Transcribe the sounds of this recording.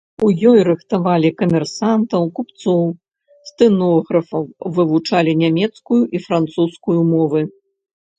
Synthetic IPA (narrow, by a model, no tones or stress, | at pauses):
ujɔjɾɨxt̪avalʲikɐmʲɛrsant̪ɐwkupt̪sɔw | st̪ɨnɔɣɾɐfɐwvɨvut͡ʂalʲinʲamʲɛt̪skujuʔifɾant̪suskujumɔvɨ